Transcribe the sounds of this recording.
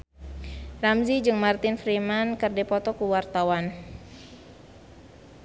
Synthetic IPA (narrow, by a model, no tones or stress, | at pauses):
ramzid͡ʒɨŋmart̪ɪnfɾimankərdɛpɔt̪ɔkuwart̪awan